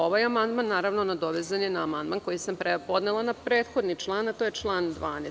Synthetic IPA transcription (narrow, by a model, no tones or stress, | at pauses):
o̞ʋajamand̪manːaːɾaʋnonad̪o̞ʋezanjenaːmand̪manko̞jisampɾepo̞d̪nelˠanapɾe̞ːt̪xo̞d̪nit͡ʃlˠaːnat̪o̞ːjet͡ʃlˠaːnd̪ʋaːne